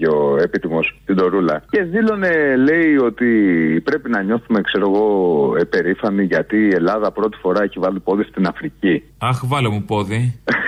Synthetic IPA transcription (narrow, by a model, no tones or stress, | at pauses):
o̞e̞pit̪imo̞st̪id̪o̞ɾulɐce̞zilo̞ne̞le̞io̞t̪ipɾe̞pinɐɲo̞θume̞kse̞ɾo̞ɣo̞epe̞ɾifɐniʝɐt̪iːe̞lɐðɐpɾo̞t̪i̥fo̞ɾɐeçivɐlipo̞ðist̪inɐfɾici | ɐxvɐlomupo̞ði